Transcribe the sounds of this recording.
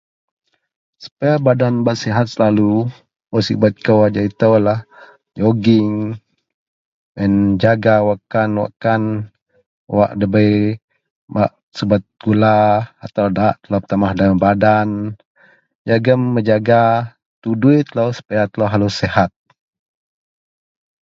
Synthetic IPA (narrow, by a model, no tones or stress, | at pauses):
sə̥pajabadanbaʔ̪sɛɦat̪̚səlalu | məsibat̪̚kəwad͡ʒait̪əwlah | joɡɪŋ | ənd͡ʒaɡawakanwa̰ʔkan | wa̰ʔdəbəj | ba̰ʔ | səbat̪̚ɡ̥ulaat̪awdaʔt̪əlapt̪amahdabadan | d͡ʒaɡəmːəd͡ʒaɡa | t̪uduit̪ələwsə̥pajat̪əlowɦalusɛhat̪̚